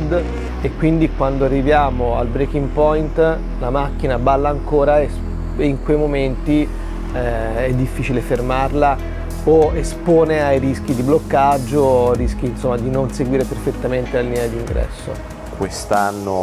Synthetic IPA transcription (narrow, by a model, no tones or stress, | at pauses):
d̪ | ekwind̪ikwand̪oarːivjaːmoa̰lbɾekiŋpɔjnt̪ | lamakːinabalːaːŋkoːɾaes | iŋkwejmoment̪i | ɛ | ɛd̪ːifːiːt͡ʃilefermarla | oespoːneajɾisk̟id̪iblokːad͡ʒːoɾisk̟iːnsomːad̪inonseɡwiːɾeperfet̪ːament̪elalinead̪iŋɡɾɛ̰sːo̰ | kwest̪anːo